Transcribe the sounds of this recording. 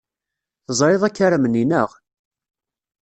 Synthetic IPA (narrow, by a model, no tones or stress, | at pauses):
θəzˤɾˤeðˤækːaɾəməninəʁ